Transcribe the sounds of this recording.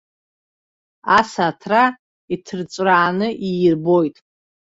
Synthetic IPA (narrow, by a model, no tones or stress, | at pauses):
asatʰra | itʰɨrt͡sʷʼraːnɨʔijrbo̞jtʼ